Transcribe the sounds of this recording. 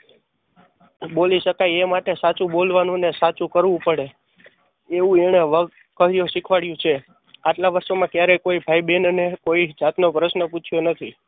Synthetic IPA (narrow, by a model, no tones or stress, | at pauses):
boliʃəkajemaʈesat͡ʃũbolʋanũnesat͡ʃũkəɾʋũpəɽe | eʋũeɽ̃eʋə | kəɦɾjoʃikʰʋaɽjũt͡ʃʰe | aʈlaʋəɾsomãkjaɾɛkoibʱaijbenənekoid͡ʒat̪nopɾəsnəput͡ʃʰjonət̪ʰi